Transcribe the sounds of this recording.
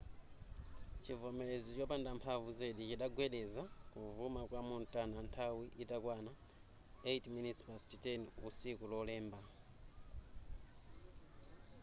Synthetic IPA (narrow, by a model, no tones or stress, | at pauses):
t͡ʃʰivɔmɛlezit͡ʃɔpandampʰavuzeɗit͡ʃiɗaɡwɛɗɛzakuvumakwamuntʼanantʰawiʔitakwana | etminitspastitɛnusikulɔlɛːmba